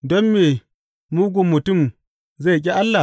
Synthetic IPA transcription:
dɔ˦mːeː˨ | muː˦ɡʷu˨mːʊ˨tʊ˦˨m | za˦˨k̬ʲʼi˦ʔa˦lːa˨

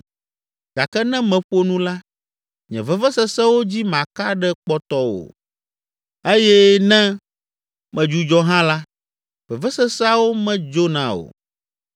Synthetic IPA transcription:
ɡa˨kɛ˦nɛ̃˦mɛ̃˨ɸo˦nũ˦la˦ | ɲɛ̰̃˨vɛ˦vɛ˦sɛ˦sɛ˦wo˦d͡ʑi˦mã˨ka˦ɖɛ˦k͡pɔ˦t̪ɔ˦wo̰˨ | e˦jɛ˦nɛ̃˦ | mɛ̃˨d͡ʒu˦d͡ʒɔ˦ɦã˦la˦ | vɛ˨vɛ˦sɛ˦sa˦wo˦mɛ̃˦d͡ʒo˦nã̰˦o̰˨

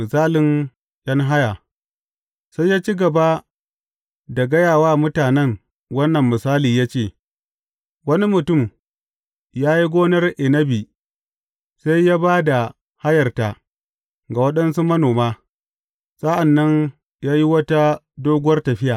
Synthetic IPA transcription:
mɪ˨saː˦lɪ˨˦n | ʔɐ˦ŋɦa˦ja˨ | sa˦jːaː˦t͡ʃi˦ɡɐ˨ba˦ | da˨ɡɐ˦jaː˨waː˦mʊ˦taː˨nɛ˦ŋ | wɐ˦nːɐ˨mːɪ˨saː˦liː˨jaː˦t͡ʃeː˦˨ | wɐ˦ni˦mʊ˨tʊ˦˨m | jaː˦ji˦ɡʷoː˦nɐ˦rʔɪ˨nɐ˦bi˨ | sa˦jːaː˦baː˦da˨ | ha˦jɐ˨rta˨ | ɡa˨wɐ˦ɗɐ˦nsu˦mɐ˦noː˨maː˦ | sa˦ʔa˨nːɐ˦ɲ | jaː˦ji˦wɐ˦ta˦ | doː˦ɡʷʊ˦wɐ˦rtɐ˨ɸɪ˦jaː˨

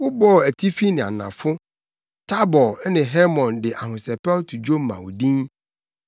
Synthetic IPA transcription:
wʊ˦bɔ˦˨æ˨tʰi˦fi˦nɪ̃˨a̰˨nã̰˨fʊ˦ | tʰa˦bɔ˨˦nɪ̃˨ɦɛ˦mɔ̃˨ndɪ˨ʔa˨ɦʊ̃˨sɛ˨pɛ˦wtʰu˨d͡ʑᶣo˦m˨mã̰˨wdĩ˦

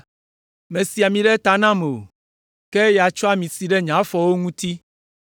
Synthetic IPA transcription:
mẽ˨si˨a˨mĩ˨ɖɛ˦t̪a˦nã˦me˨o˨ | ke˦ja˨t͡ʃɔ˦a˦mĩ˨si˨ɖɛ˦ɲã˨˦fɔ˨wo˦ŋũ˦t̪i˦

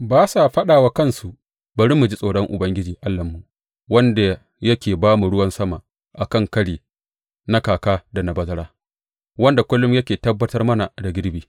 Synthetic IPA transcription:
baː˦sa˨ɸɐ˦ɗaː˨waː˦kɐ˦˨nsu˨ʔ | bɐ˨ɽɪ˦mːu˨d͡ʒi˦sʼoː˨ɽɔ˦ŋʔʊ̰˨bɐ˦ŋɡʲɪ˦d͡ʒiː˨ʔa˦lːɐ˨mːu˨ | wɐ˦nda˨ | jɐ˦kʲeː˨baː˦mu˨ɽʊ˦wɐ˦nsɐ˦ma˨ | ʔa˨kɐ˦˨ŋkɐ˦ɽiː˨ | na˦kaː˨kaː˦da˨na˨bɐ˦zɐ˦ɽaː˦ | wɐ˦nda˨kʷʊ˦lːʊ˦mjɐ˦kʲeː˨tɐ˦bːɐ˦tɐ˦rmɐ˦na˨da˨ɡʲɪ˦ɾbiː˨

